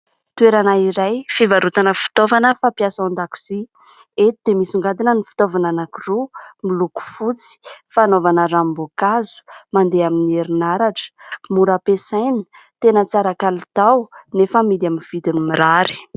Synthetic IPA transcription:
t̪ueɾanaiɾajfivaɾut̪anəfu̥t̪ovanəfapjasaand̪aku̥z̥i | et̪id̪emisiŋɡad̪inənifu̥t̪ovananakurumiluku̥fut͡si̥fanovanəɾambokazu̥mand̪eaminieɾinaɾaʈ͡ʂə̥muɾapesajni̥ | t̪enət͡saɾakalit̪awnefəmid̪aminv̥id̪inimiɾaɾi̥

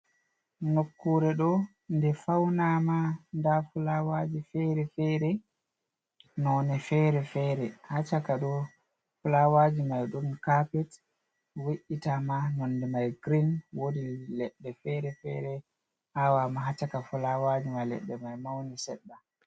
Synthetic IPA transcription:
nokːuɾɛɗɔ | ndɛfawnamandafulawad͡ʒifɛɾɛfɛɾɛ | nɔːnɛfɛɾɛfɛːɾɛhat͡ʃakaɗɔ | fulawad͡ʒimajɗumkapɛt | weʔːitamanɔnːdɛmajɡɾinwodilɛɗːɛfɛɾɛfɛɾɛ | hawamaɦat͡ʃakafulawad͡ʒimalɛ̰ɗːɛmajmawnisɛɗːa

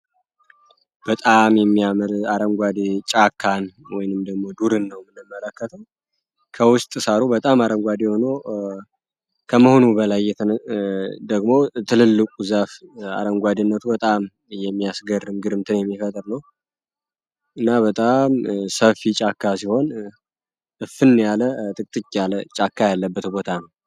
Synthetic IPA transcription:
b̥ət̪ʼamjɛmːijamɨɾaɾəŋɡʷad̪t͡ʃʼakʰːanwɔjnɨmd̪əɡmo̞d̪uɾɨnːəwmɨnɨmːələkːət̪ʰɨm | kʰəwʊst̪ʼɨsaɾubət̪ʼamaɾəŋɡʷad̪ehono | kʰəməho̞nubəlajːɛ | d̪əɡmo̞t̪ʰɨlɨlːɨkʼuzafa̰ɾəŋɡʷad̪ɨnːət̪ʰubət̪ʼam | jɛmːijasɡərːɨmɡɨɾɨmt̪ʰɨnjɛmːifət̪ʼɨɾnəw | ʔɨnːabət̪ʼamsəfit͡ʃʼakʰːasiho̞n | ʔɨfɨnːjalət̪ʼɨkʼt̪ʼɨt͡ʃʼːjalət͡ʃʼakːajalːəbːət̪bo̞t̪ʰanəw

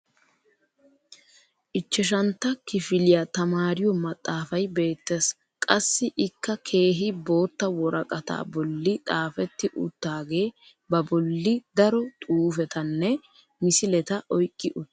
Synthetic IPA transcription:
ʔɪt͡ʃːɛʃ̬ɐnt̪ːɐkɪfɪlɪjat̪ɐmaːɾɪjɔmɐt̪ʼːaːfɐjbe̞ːt̪ːeːs | kʼɐsːɪʔɪkːɐkʰe̞ːɦɪbo̞ːt̪ːɐwɔɾɐkʼɐt̪a̰ːbɔlːɪt̪ʼaːfɛt̪ːɪʔʊt̪ːaːɡe̞ː | bɐbɔlːɪd̪ɐɾɔt̪ʼuːfɛt̪ɐnːɛ | mɪsɪlɛt̪ɐʔɔjkʼːɪʔʊt̪ː

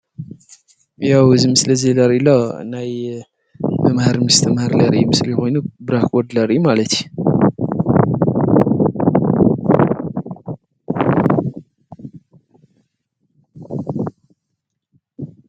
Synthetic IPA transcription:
jawɨzimɨslɐzelɐɾilonaj | mɐmhaɾmɨst̪ʰɐmhaɾlɐɾḭjumɨslijxo̞jnubɨɾakwɔd̪lɐɾijumalɐt̪ju

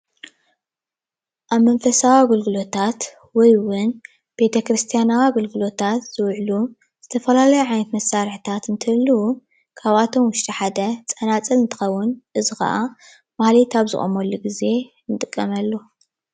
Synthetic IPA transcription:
ʔaβmɐnfɐsawaɡɨlɡɨlo̞t̪ʰat̪ | wɔjwʊn | b̥e̞t̪ʰɐkɾɨst̪ʰijanawaɡɨlɡɨlo̞t̪ʰat̪z̥ɨwʕlu | z̥ɨt̪ʰɐfɐlalɐjuʕajnɐt̪mɐsaɾħɨt̪ʰat̪ɨnt̪ʰɨlːu | kʰaβat̪ʰo̞mwʊʃt̪ʼiħad̪ɐt͡sʼɐnat͡sʼɐlɨnt̪ʰɨ̥xɐwːʊnʔɨzɨxɐ̰ʔa | mahlit̪aβzɨ̰χʼo̰mɐlːuɡize̞ | nɨt̪ʼɨkʼːɐmɐlːo

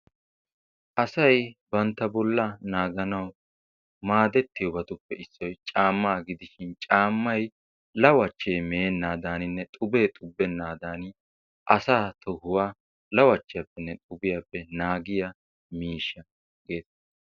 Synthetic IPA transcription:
ʔɐsɐjbɐnt̪ːɐbɔlːɐnaːɡɐnɐw | maːd̪ɛt̪ːɪjɔbɐt̪ʊpːɛɪsːɔjt͡ʃʼaːmːaːɡɪd̪ɪʃɪnt͡ʃʼaːmːɐj | lɐwɐt͡ʃːeːmeːnːaːd̪aːnɪnːɛt̪ʼʊbe̞ːt̪ʼʊbːɛnːaːd̪aːnɪ | ʔɐsaːt̪ʰɔhʊwaː | lɐwɐt͡ʃːɪjɐpːɛnːɛt̪ʼʊbɪjapːɛnaːɡɪjɐ | miːʃɐ | ɡe̞ːt̪

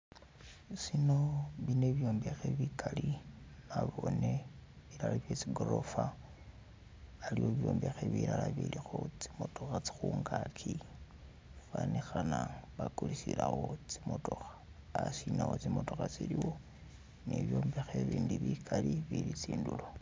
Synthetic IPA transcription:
sinoβineβjo̞ːmbexeβikʰalinaβoneβiɾalaβjet͡siɡoɾo̞fa | liwoβjo̞ːmbexeβiɾalaβilixot͡si̥mo̞to̞xat͡si̥xuːŋɡakʰi | fanixanaβakulisilaxot͡si̥moto̞xḁ | asinawot͡simo̞to̞xat͡siliwo | neβjoːmbexeβiːndiβikʰaliβilit͡siːndulo

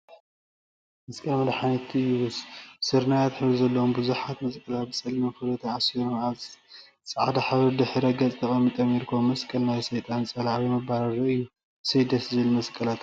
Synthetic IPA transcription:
mɐskʼɐlmɐd̪ħanɐt̪ʰɨjːussɨɾnajat̪ħɨβluzɐlːɐwombɨzuħat̪mɐsʼkʼɐlat̪̚bɨsʼɐlimɐfɨlɐt̪ʰaasɨɾnat | sʼɐʕad̪aħaβɨɾd̪ɨħɾɐɡɐt͡sʼt̪ʰɐχʼɐmit̪ʼɐmiɾkʰomːɐskʼɐlnajsɐjt̪ʼansʼɐlaʕwimɐbaɾɐɾɨɨjːu | sɐjd̪ɐsɨzɨlmɐskʼɐlat̪

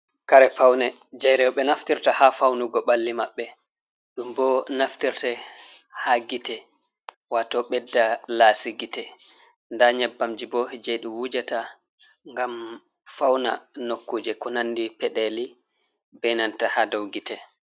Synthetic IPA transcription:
kaɾɛpawnɛ | d͡ʒajɾɛwɓɛnaftiɾtahafawnuɡɔɓalːimaɓːɛ | ɗumbɔnaftiɾtɛ | haɡitɛ | watɔɓɛdːalaːsiɡitɛ | ndaɲɛbːamd͡ʒibɔd͡ʒeɗuwud͡ʒata | ŋɡam | fawna̰nokːuːd͡ʒɛkɔnanːdipɛɗɛli | bɛnantahadowɡitɛ

